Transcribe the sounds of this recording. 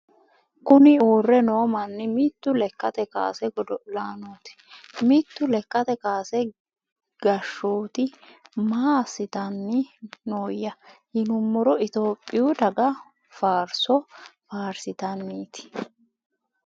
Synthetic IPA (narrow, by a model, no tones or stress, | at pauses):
kʊnɪuːrːɛnoːmɐnːɛmit̪ːʊlɛkːɐt̪ɛka̰ːsɛɡɔdɔlaːnoːt̪ɪ̥mɪt̪ːʊlɛkːɐt̪ɛkaːsɛ | ɡ̥ɐʃːoːt̪ɪmaːsːɪt̪ɐnːɪnoːjːɐhɪnʊmːɔɾɔɪt̪o̞ːpʼːɪjʊd̪ɐɡɐ | faːɾsɔfaːɾsɪt̪ɐnːiːt̪ɪ̥